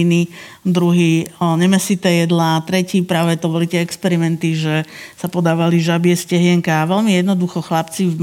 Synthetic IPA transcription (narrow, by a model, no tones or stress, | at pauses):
nid̪ɾuɦiːɲɛmɛsit̪ɛːjɛd̪lat̪ɾɛciːpɾaːʋɛd̪ɔbɔlit̪ɪɛɛkspɛɾimɛnt̪iʒɛsapɔd̪aːʋaliʒabɪɛscɛɦɪɛŋkaːʋɛlmijɛd̪nɔd̪uxɔxlapt͡siv